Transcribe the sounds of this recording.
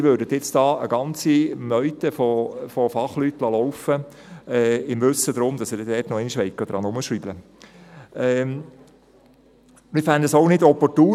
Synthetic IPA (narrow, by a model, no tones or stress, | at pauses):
ʋøːɾdət̪jɪt͡sd̥ɑːə̰ɡɑnt͡simœʏt̪əfofofɑχlytːlɑlɔwfə | ɛːɪmvɵsəd̪ɾʊmd̪ɑsədɛdɛːtnɔɛɪniʃʋɛɪkːəd̥̪ɾʔɑnʊməʃriblə | ɛː | mɪfænd̪əsoʊnɪdɔpɔɾtuː